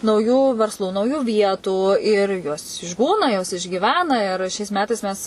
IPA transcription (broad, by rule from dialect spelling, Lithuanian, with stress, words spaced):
nɐʊˈjuː ʋʲɛrsˈlˠuː nɐʊˈjuː ˈʋʲiɛtuː ɪr joːs ɪʒˈbuːnɐ joːs ɪʒʲɡʲiːˈʋʲæːnɐ ɪr ˈʃʲɛɪs ˈmʲæːtɐɪs ˈmʲɛs